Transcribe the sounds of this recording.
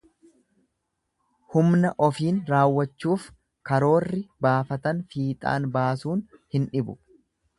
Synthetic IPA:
hʊmnɐʔɔfiːnɾaːwːɐt͡ʃːuːf | kɐɾo̞ːrːɪbaːfɐt̪ɐnfiːt̪ʼa̰ːnbaːsuːnhɪnᶑɪbʊ

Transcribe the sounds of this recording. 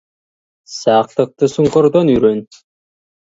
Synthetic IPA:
sɑːq̚t̪ɯq̚t̪ɯsuɴqoɾd̪onyjɾøn

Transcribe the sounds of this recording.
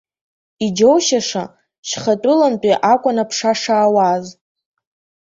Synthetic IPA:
id͡ʒowʃaʂa̰ | ʃχatʼʊlampʼiʔakʷʼʊnapʰʂaʂaːwaz

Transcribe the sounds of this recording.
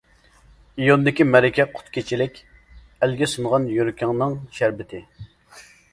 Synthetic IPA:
ijond̪ɪkʲimɛɾɪkʲʰɛqʰʊ̥t̪kʲet͡ʃʰilɪkʲ | ælɡʲɛsunʁɑnjoɾkʲʰɑŋnɨŋʃæɾbɪt̪ʰɪ

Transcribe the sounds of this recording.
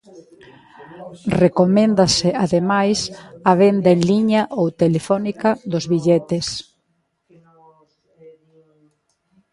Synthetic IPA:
rekomẽnd̪asɪaðemajsaβ̞end̪aenliɲaʔowt̪elefɔnikaðʊzβiʎɛt̪es

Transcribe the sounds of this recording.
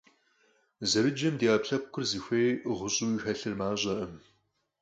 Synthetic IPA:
zɐɾɨd͡ʒɐmdiaːpɬɐp̚kʷʰʊrziːxʷejʁʷʊɕʼuːixɐɬɨrmaːɕʼɐʔɐm

